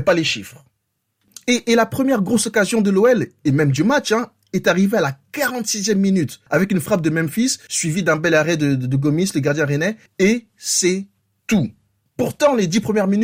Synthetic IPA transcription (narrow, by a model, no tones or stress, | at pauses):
paleʃifχ | eʔːlapχəmjɛʁɡʁosɔkazjɔ̃d̪əloɛlemɛmd̪ymat͡ʃɛ̃ | ɛt̪aʁivealakaʁɑ̃t̪sizjɛmːinyt̪avɛkynfχap̚d̪əmɛmfisːɥivid̪ɛ̃bɛlaʁɛd̪əd̪əɡɔmisləɡaʁd̪jɛ̃ʁenɛ | e | sɛ | t̪u | puʁt̪ɑ̃led̪ipχəmjɛʁmin